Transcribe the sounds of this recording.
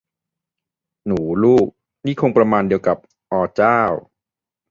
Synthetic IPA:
nuː˩˦luː˥˩k̚ | niː˥˩kʰo˧ŋpɾa˧maː˧ndi˧əwka˨˩p̚ | ʔɔː˧t͡ɕaː˥˩w

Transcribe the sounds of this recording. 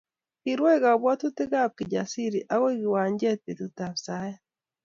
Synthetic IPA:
ki˨ɾwe˦ɣa˨βwa˦tu˦te˦ɣa˦p̚ki˨ɟa˨si˦ɾi˨ʔa˦ɣwe˦ɣi˨wa˨ɲɟe˦te˨t̪uta˨βsa˦ja

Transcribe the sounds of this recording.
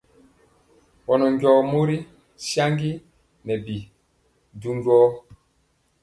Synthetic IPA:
wɔ˨nɔ˨ŋɟɔː˨mo˦ɾi˦ | sja˦ŋɡi˦ | mɛ˨bi˨ | du˦ndɔː˦

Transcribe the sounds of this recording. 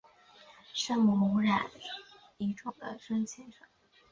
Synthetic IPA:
ʂə˥ŋmu˧˩mʊ˧˥ɻa˨˩n | i˧˥ʈ͡ʂʊ˨˩ŋd̪ə̰˧˦ʂə˥ŋt͡ɕʰɛ˧˥nʂɤ˧˩ŋ

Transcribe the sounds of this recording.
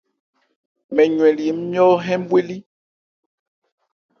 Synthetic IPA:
mɛ˨ɲwɛ̃˨li˨˦m˦mjɔ˦ɦɛ̃˦m˦bwe˦li˦

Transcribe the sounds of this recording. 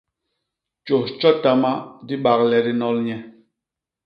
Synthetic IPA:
t͡ʃo˨t͡ʃɔ˦ta˦ma˦di˦ɓa˨k̚lɛ˨ɾi˦nɔ˦lɲɛ˦

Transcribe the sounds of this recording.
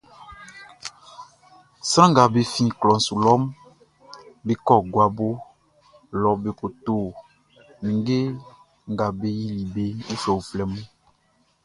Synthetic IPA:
sã˦ŋ˦ɡa˨be˨fĩ˦˨klɔ̃˨n̩˨su˨lɔ˦m | be˨kɔ˦˨ɡwa˨bo˦ | lɔ˨be˨ko˨t̪o˨ | nĩ˨ŋɡe˦ | ŋ˨ɡa˨be˦ji˦li˨be˦u˦fɛ˨wo˨flɛ˨mũ˦

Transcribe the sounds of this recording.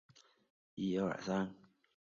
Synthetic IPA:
i˥jo˥˩ʊə̰˨˩sa˥n

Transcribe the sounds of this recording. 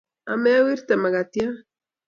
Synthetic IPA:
amɛ˦a˦wi˦ɾt̪ama˨ɣat̪ja˦

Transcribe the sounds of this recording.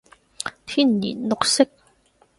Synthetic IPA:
t̪ʰi˥˨nːḭ˨nʊ˧˨k̚sɪ˦k̚

